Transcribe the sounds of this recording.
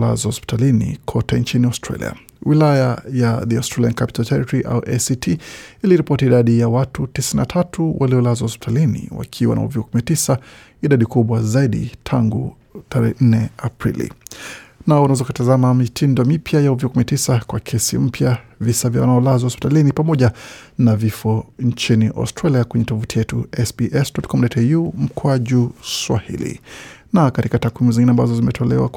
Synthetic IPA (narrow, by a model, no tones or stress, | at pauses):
la̰zwahɔspi̥talinḭkʰɔtɛnt͡ʃiniastɾa̰lḭa̰ | wilajajaðiastɾaliankapi̥taltɛɾitɔɾiʔa̰uʔɛsitʰiiliɾipɔtiːɗaɗijawatutisininatʰatʰuwʔaliɔlazwahɔspi̥tʰalinḭwa̰kʰiwa̰nʔa̰ṵvikukuminatisa | iɗaɗikuɓwazaiɗḭtʰaŋɡu | tʰaɾɛɛn̩nɛapɾḭlḭ | naɔwunawɛzakatazamamitʰindɔmipjajauvikukuminatisakwakʰɛsḭm̩pjavisavja̰wanaɔlazwahɔspi̥talinipamɔʄanavifɔɲt͡ʃiniʔa̰stɾaliakwɛɲɛtɔvutijɛtuɛsbiʔɛsdɔtkɔmdatʰajum̩kɔaʄuswa̰hḭlḭnakatikatakwimuziŋɡinɛambazɔzimɛtʰɔlɛwa̰